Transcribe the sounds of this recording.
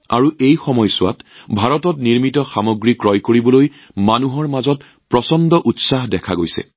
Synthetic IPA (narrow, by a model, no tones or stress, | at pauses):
a̰ɹuʔejxɔmɔjsʊwa̰tbʱaɹɔtɔtniɹmitɔxamoɡɹikɹɔjkoɹibɔloj | manuɦɔɹmazɔt | pɹɔsɔndɔʔutsaɦdɛkʰaɡojsɛ̰